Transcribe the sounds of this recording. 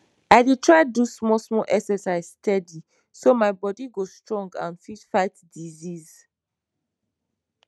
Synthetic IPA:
aɪdetʰɹaɪdusmɔsmɔlʔɛksɛsaɪ̥stʰɛdi | somaɪbɔdiɡostɹɔ̃ŋɡã̰nfitfaɪtdiziz

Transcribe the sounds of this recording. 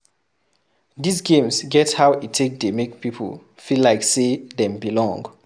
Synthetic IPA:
disɡẽmsɡɛthaʊwitʰːek̚demek̚pipʰə̰l | filaɪksedɛ̃mbilɔ̃ŋɡ

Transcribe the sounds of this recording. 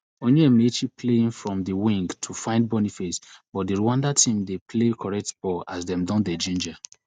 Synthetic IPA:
onuɛmet͡ʃipʰleĩnfɹɔ̃mdiwĩŋɡtʰufãɪ̃nd̚bɔnifesbɔt̚diɹuwãndatʰĩmdepʰlekʰɔɹɛk̚tb̥ɔa̰sdɛ̃mdɔ̃ndɛd͡ʒĩnd͡ʒa

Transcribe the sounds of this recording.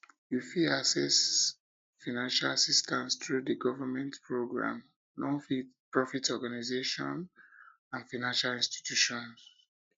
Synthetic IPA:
jufiasɛs | fanãnʃalasistʰãnstɹudəɡɔvəmɛ̃ntpʰɹoɡɹã̰m | nɔ̃nfipɹɔfitɔɡanazeʃɔ̰̃n | ãnfanãnʃalĩnsti̥tjuʃɔ̃ns

